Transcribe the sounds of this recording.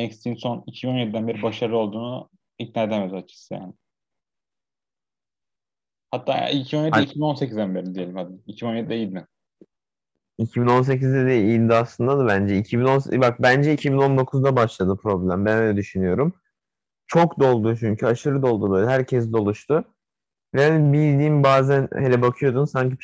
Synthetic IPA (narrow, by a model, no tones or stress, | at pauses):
ɛkst̪ʰinso̞nicʰibino̞njed̪id̪ænbe̞ɾibaʃaɾlɯo̞lˠd̪uːnu | it̪̚naed̪ɛmezat͡ʃʰɯ̥sɯja̰ːnɪ | hat̪ʰːa̰ːicʰionjedɛicʰibino̞nsecʰizd̪ænbe̞ɾid̪ijelʲimhad̪ɪicʰibinonjed̪id̪ɛjilʲmɪ | icʰibino̞ns̬e̞cizd̪ɛd̪ɛilʲd̪iaslˠɯnd̪ad̪ɯbænd͡ʒɛicʰibino̞nsbak̚bænd͡ʒɛicʰibino̞nd̪o̞kʰuzd̪abaʃlˠad̪ɯpʰɾo̞blʲæmbænøjlʲɛd̪yʃynyjo̞ɾum | t͡ʃʰo̞kd̪o̞lˠd̪ut͡ʃʰyɲcʰyaʃɯɾɯd̪o̞lˠd̪ubø̞jlʲɛɦæɾcʰɛs̬d̪o̞lˠuʃt̪ʊ | vɛbilʲd̪iːmbaːzænhelʲɛbakʰɯjo̞d̪unsaɲci